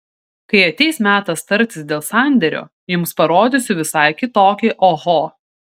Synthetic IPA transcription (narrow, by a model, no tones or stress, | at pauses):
kɐɪɐt̪ʲɛɪsmʲæːt̪ɐst̪ɐɾʲt̪ʲɪsd̪ʲeːlˠsɑˑnʲd̪ʲɛɾʲo̰ː | jʊmspɐɾoːd̪ʲʊsʲʊʋʲɪsɐɪkʲɪt̪oːkʲɛʔoɣoː